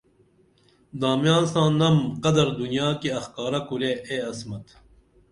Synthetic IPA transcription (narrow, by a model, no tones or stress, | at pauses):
d̪aːmjaːnsãːnɐmqɐd̪ɐɾd̪unjaːkiɐxkaːɾɐkuɾeʔeɐsmɐt̪